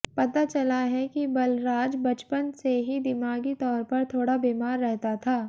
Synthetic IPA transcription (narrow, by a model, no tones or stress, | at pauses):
pɐt̪at͡ʃɐlaɦɛkibɐlɾaːd͡ʒbɐt͡ʃpənseɦid̪ɪmaːɡit̪ɔːɾpɐɾt̪ʰoːɽabeːmaːɾːɛɦt̪at̪ʰaː